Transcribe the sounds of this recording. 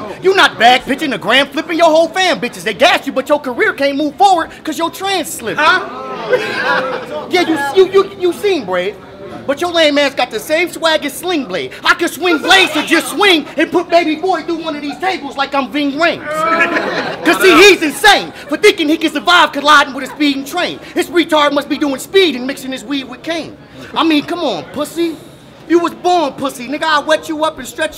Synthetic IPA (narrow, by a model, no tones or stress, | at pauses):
jə˞nət̚b̥æɡ̚pʰɪt͡ʃɪ̃ŋɨɡɹæ̃nflɪpɨ̃njə˞ɦoʊlˠfæ̃nbɪt͡ʃɨzðeɪɡæst͡ʃɨbʌt͡ʃə˞kʰə˞ɪɹkʰẽnmuv̥fɔɹwə˞d̚kʰʌzjə˞tʰɹ̥æ̃nz̥slɪp | jæjɨjɨjɨjɨsĩnbɹeɪð̥ | b̥ʌt͡ʃə˞læ̃nmæ̃nzɡɑt̪̚ɨseɪv̥swæɡɨ̃nslɪ̃ŋbleɪ̥aɪkɨ̃nswɪ̃ŋbleɪsɨ̃d͡ʒʌstswɪ̃ŋɨ̃npʰʊt̚meɪbibɔɹdəwʌ̃nʌvðiz̥tʰeɪbl̩ˠzlaɪkãɪ̃ɱvɪ̃ŋɹɪ̃ɪ̃ŋz̥ | kʌz̥siizɨ̃nsẽɪ̃nb̥ʌθɪ̃ŋkɨ̃ŋikɨ̃nsə˞vaɪv̥kʰɨlaɪɾⁿn̩wɨðɨsbiɾ̃n̩tʰɹ̥ẽɪ̃nhɨzɹitʰɑɹd̚mʌs̚b̥iduɪ̃ŋspiɾɨ̃nmɪksɪ̃ŋɨzwiwɨd̚kʰẽɪ̃n | aɪmĩnkʰʌ̃mə̃npʰʊsi | jɨwʌzbɔɹnpʰʊsiɨ̃nɨɡaɪwɛt͡ʃəʌpɨ̃nstɹ̥ɛt͡ʃ